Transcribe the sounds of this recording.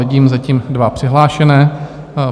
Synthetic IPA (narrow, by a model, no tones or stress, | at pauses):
ɪɟiːmzaciːmdvapr̥ɪɦlaːʃɛnɛː